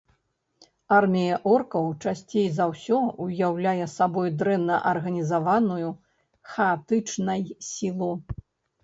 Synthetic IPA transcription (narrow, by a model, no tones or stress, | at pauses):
armʲijɐʔɔrkɐwt͡ʂasʲt͡sʲejzawsʲɔujawlʲajɛsabɔjd̪ɾɛnːɐʔɐrɣɐnʲizavanuju | xɐːt̪ɨt͡ʂnɐjsʲilˠu